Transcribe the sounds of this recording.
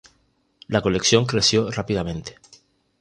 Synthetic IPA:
lako̞leksjo̞ŋkɾesjorapið̞amẽnt̪e̥

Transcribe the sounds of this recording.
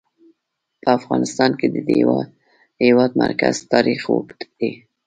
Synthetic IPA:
pəafɣɑnɪst̪ɑnked̪ə | hewɑd̪̚ma̰ɾkaz̥t̪ɑɾixwok̪d̪̥e

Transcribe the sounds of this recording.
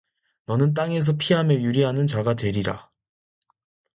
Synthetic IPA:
nʌnɯnt̬͈aŋe̞s̬ʰʌpʰiɦamjʌjuɾiɦanɯnt͡ɕaɡatwe̞ɾiɾa̰

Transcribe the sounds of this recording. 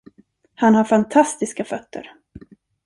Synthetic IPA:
hanhaɾfant̪ʰast̪ɪskafœt̪ːə̰ɾ

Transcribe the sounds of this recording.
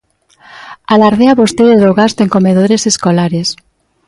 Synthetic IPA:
alaɾðeaβost̪ejɾaðoɣast̪oeŋkomeðoɾeseskolaɾes

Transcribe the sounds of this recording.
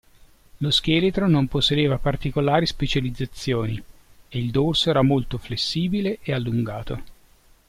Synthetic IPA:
losk̟eːlet̪ɾonomposːed̪eːvapart̪ikolaːɾispet͡ʃalid̪zːat̪sːjoːnieild̪orsɛːɾamolt̪oflesːiːbileʔealːuŋɡaːt̪o

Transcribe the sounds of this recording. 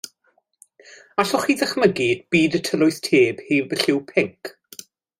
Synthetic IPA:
aɬɔχiːðəχməɡidb̥iːdətʰəlʊɨθtʰeːb̥heːvəɬɪwpʰɪŋk

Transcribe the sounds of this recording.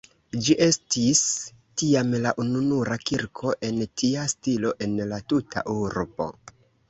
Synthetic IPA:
d͡ʒiʔe̞stis | tiamlaʔununuɾakiɾkʰo̞ʔe̞ntiastilo̞ʔe̞nlatutʰa̰ʔuɾbo̞̰

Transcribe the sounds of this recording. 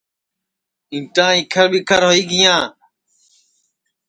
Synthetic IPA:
ɪ̃ːʈãːiːkʰəɾbiːkʰəɾɦoːiːɡɪjãː

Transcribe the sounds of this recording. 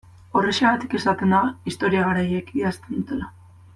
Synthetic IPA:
o̞reʃeβat̪i̥ke̞sat̪end̪aist̪o̞ɾiaɣaɾaje̞kiast̪e̞nd̪ut̪e̞la

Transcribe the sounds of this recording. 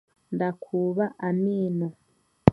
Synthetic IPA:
ndakʰuːβaʔamiːno

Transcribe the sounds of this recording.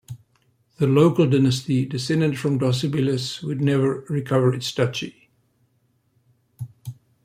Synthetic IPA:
ðəloʊkəlˠdɪnəstidɪsɛ̃ndɨ̃ndfɹə̃mdɔs̬ɪbɪləswɨdⁿnɛvə˞ɹɪkʰʌvə˞ɪtstʰʌt͡ʃi

